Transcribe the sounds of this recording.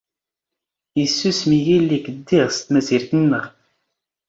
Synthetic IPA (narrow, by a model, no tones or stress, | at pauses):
jəsːusmijilːikəd̪ːiʁst̪mæziɾθənːəʁ